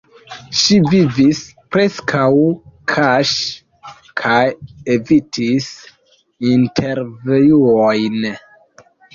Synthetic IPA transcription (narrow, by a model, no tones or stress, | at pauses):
ʃivivispɾe̞skʰawkʰaʃ | kʰajevitʰis | intʰe̞ɾvejuojn